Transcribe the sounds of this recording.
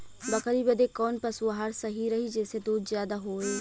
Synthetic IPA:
bɐkəɾibɐd̪ekɔːnpɐsɐɦaːɾsɐɦiɾɐɦid͡ʒɛːsed̪oːd͡ʒ̪zjaːd̪aɦoːeː

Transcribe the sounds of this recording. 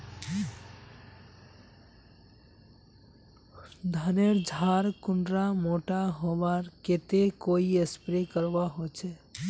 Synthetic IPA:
d̪ʱəneɾd͡ʒʱaɾkuɳɖɾamoʈaɦobaɾket̪ekoiespɾekəɾbaɦot͡ʃʰɛ

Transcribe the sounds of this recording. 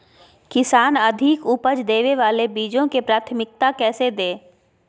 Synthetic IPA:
kɪsaːnɐd̪ʱɪkuːpəd͡ʒd̪eːʋeʋaːlebiːd͡ʒõkepɾaːt̪ʰmɪk̚t̪akɛːsed̪eː

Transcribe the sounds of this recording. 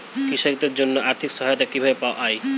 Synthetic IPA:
kɾiʃakt̪eɾd͡ʑonːoʔaɾt̪ʰikʃɔɦajot̪akibʱabepaoaʔɔj

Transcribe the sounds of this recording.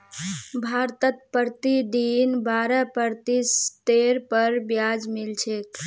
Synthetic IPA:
bʱaɾt̪ət̪̚pəɾt̪id̪inbaɾəpəɾt̪ist̪eɾpəɾbjad͡ʒmilt͡ʃʰek

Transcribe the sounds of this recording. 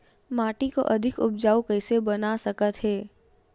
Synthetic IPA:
maːʈiko̰ʔɐd̪ʱɪkʊ̰p̚d͡ʒaːukɛɪsebɐnasɐkət̪ɦɛː

